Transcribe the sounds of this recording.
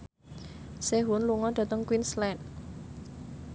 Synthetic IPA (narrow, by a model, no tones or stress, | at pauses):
seɦʊnluŋɔd̥ä̤t̪əŋkwinslɛn